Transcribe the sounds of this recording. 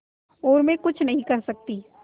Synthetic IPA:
oːɾmẽkʊt͡ʃʰnɐɦĩkɐɾsɐk̚t̪iː

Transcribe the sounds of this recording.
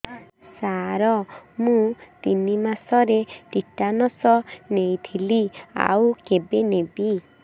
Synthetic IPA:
saɾɔmũt̪inimasɔɾeʈiʈanɔsɔnejt̪ʰilia̰wkebenebi

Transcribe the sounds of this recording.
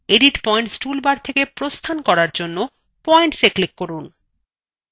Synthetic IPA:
eɖiʈpɔeɳʈsʈulbaɾt̪ʰekepɾost̪ʰankɔɾaɾd͡ʑonːo | pɔjɳʈseklikːoɾun

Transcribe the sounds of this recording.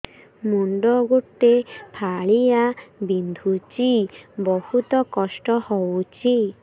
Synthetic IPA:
muɳɖɔɡutepʰaɭijabind̪ʱut͡ʃibɔhut̪ɔkɔsʈɔhɔwt͡ʃi

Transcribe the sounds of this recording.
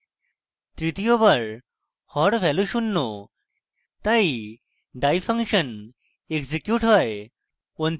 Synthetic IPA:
t̪ɾit̪ijobəɭ | hɔɽʋɛluɕunːo | t̪ai | ɖajfə̃ŋkɕən | ekd͡ʑekjuʈɦɔj | on

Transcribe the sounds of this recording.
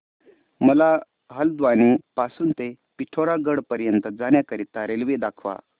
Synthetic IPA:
məla | ɦəld̪ʋanipasuːnt̪e | piʈʰoɾaɡəɽpəɾjənt̪əd͡zanjakəɾit̪ːaɾelʋed̪akʰʋa̰

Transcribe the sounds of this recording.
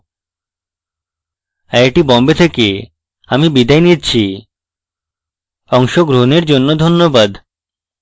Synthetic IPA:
ɛeʈibɔmbet̪ʰeke | amibid̪ajnit͡ɕʰi | ɔŋʃoɡɾoneɾd͡ʑonːod̪ʱonːobad̪

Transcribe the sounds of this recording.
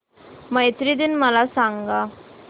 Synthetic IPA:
məjt̪ɾid̪inməlasaŋɡa

